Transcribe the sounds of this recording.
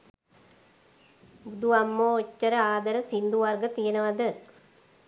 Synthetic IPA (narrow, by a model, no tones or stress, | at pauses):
bud̪uʋamːoːocːəɾəaːd̪ɐɾəsind̪uʋarɡət̪ijənəʋad̪ə